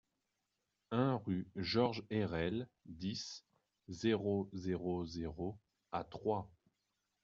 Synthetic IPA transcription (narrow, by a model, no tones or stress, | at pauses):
ɛ̃ʁyʒɔʁʒɛʁɛld̪is | zeʁozeʁozeʁo | at̪χwa